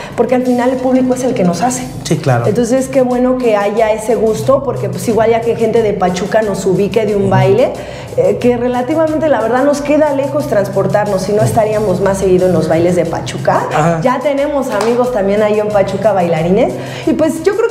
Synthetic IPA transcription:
po̞ɾke̞alfinalelpuβliko̞e̞se̞lke̞no̞sase̞̥ | siklaɾent̪o̞nses̬eske̞βwe̞no̞ke̞aʝae̞se̞ɣust̪o̞po̞ɾke̞pwesiɣwalʝakeŋxe̞nt̪e̞ðepat͡ʃukano̞suβike̞ðeumbajle̞ | eke̞re̞lat̪iβament̪e̞laβe̞ɾðaðno̞ske̞ðale̞xo̞st̪ɾanspo̞ɾt̪aɾno̞sːino̞est̪aɾiamo̞zmasːe̞ɣ̞iðoenlo̞zβajle̞zðe̞pa̰t͡ʃukaaɟ͡ʝat̪e̞ne̞mo̞samiɣo̞st̪ambje̞najiempat͡ʃukaβajlaɾine̞s | ipwe̞zʝokɾe

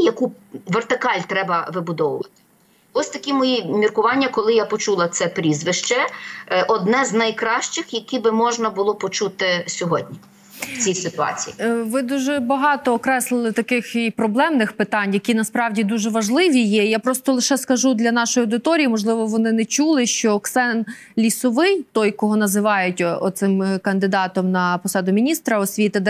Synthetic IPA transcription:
jɐkuʋert̪ɪkɑlʲt̪ɾɛbɐʋɪbʊd̪ɔwʊʋɐt̪ɪ̥ | ɔsʲt̪ɐkʲimɔjimʲirkʊʋɑnʲːɐkɔlˠɪjapɔt͡ʃulˠɐt̪sɛpɾʲizʋɪʃt͡ʃɛʔɔd̪nɛznɐjkɾɑʃt͡ʃɪxjɐkʲibɪmɔʒnɐbʊlˠɔpɔt͡ʃut̪ɪsʲɔɦɔdʲnʲi | wt͡sʲijsɪt̪ʊɑ̰t͡sʲḭjiʋɪd̪uʒɛbɐɦɑt̪ɔːkɾɛslˠɪlˠɪt̪ɐkɪxipɾɔblˠɛmnɪxpɪt̪ɑnʲjɐkʲinɐspɾɑwdʲid̪uʒɛʋɐʒlˠɪʋʲijɛijapɾɔst̪ɔlˠɪʃɛskɐʒud̪lʲɐnɑʃɔjɐwd̪ɪt̪ɔɾʲijimɔʒlˠɪʋɔʋɔnɪnɛt͡ʃulˠɪʃt͡ʃɔːksɛn | lʲisɔʋɪnʲt̪ɔjkɔɦɔnɐzɪʋɑjʊtʲɔt̪sɪmkɐnd̪ɪd̪ɑt̪ɔmnɐpɔsɑd̪ʊmʲinʲist̪ɾɐɔsʲʋʲit̪ɪd̪

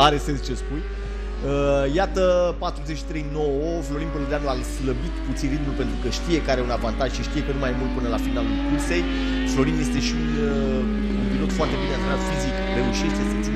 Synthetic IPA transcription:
aɾe̞se̞nst͡ʃe̞spuj | əjat̪əpat̪ɾuzet͡ʃʃi̥t̪ɾe̞jno̞wəflo̞ɾinpəled̪anlasləbit̪put̪sinɾit̪mulpe̞nt̪ɾukəʃt̪ije̞kaɾeunavant̪aʒʃiʃt̪ijekənumajmult̪̚pɨnəlafinalulkulse̞j | flo̞ɾinje̞st̪e̞ʃiun | umpilo̞t̪foart̪e̞binensɾat̪fizikre̞uʃe̞ʃt̪esəni

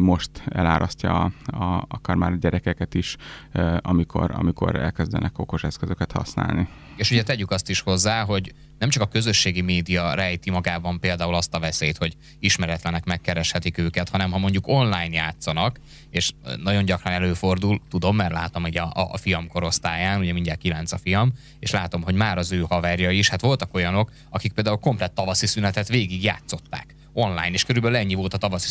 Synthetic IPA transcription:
mo̞ʃt̪ɛ̰laːɾʔɒscɒɒɒkɒɾmaːɾɟɛɾɛkɛkɛt̪iʃ | ɒmikʰo̞̰ɾɒ̰miko̰ɾɛ̰lkɛzd̪ɛ̰nʔɛkoko̞ʃɛskøzøkɛt̪hɒ̰sna̰ːlni | eːʃuɟɛt̪ɛɟykɒst̪iʃho̞zːaːɦo̞ɟ | nɛmt͡ʃɒkɒkø̞zø̞ʃːeːɡimeːd̪ijɒɾɛjt̪imɒɡaːbɒmpeːld̪aːulɒst̪ɒvɛseːjt̪ho̞ɟ | iʃmɛɾɛt̪lɛnɛkmɛkːɛɾɛʃhɛt̪ikøːkɛt̪hɒnɛmɦɒmo̞ɲɟuko̞nlaːjnjaːt̪sɒnɒk | eːʃnɒɟo̞ɲɟɒkrɒnɛløːfo̞rd̪ult̪ud̪o̞mːɛrlaːt̪o̞muɟɒ̰fijɒmko̞ɾo̞st̪aːjaːnuɟɛmiɲɟalkilɛnt̪sɒfijɒm | eːʃlaːt̪o̞mɦo̞ɟmaːɾɒzøːhɒvɛːrjɒiʃhat̪ʋo̞lt̪ɒko̞jɒno̞k | ɒkik̚peːld̪aːulko̞mplɛt̪ːɒvɒsisynɛt̪ɛt̪ʋeːɡiɡja̰ːt̪so̞t̪ːa̰ːk | o̞nla̰ːjneːʃkøɾybɛlylɛɲːivo̞lt̪ɒt̪ɒvɒsi

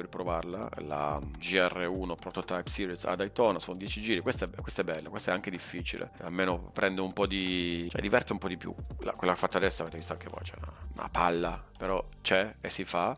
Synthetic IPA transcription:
ripɾovarla̰la̰d͡ʒiɛrːeuːnopɾot̪ot̪ajpsiːɾiza̰d̪ajt̪ɔːnasonod̪jɛt͡ʃid͡ʒiːɾikwest̪ɛbkwest̪aɛbːɛlːakwest̪aɛaŋk̟ed̪ifːiːt͡ʃilʔḛalmeːnopɾʔɛnd̪oumpɔd̪it͡ʃɛ̰d̪ːivɛrt̪eumpɔd̪ipjṵla̰kwelːakefːat̪ːad̪ɛsːoavet̪evist̪oaŋkʰevɔ̰jt͡ʃɛ̰una̰na̰palːapeɾɔt͡ʃɛesːifa

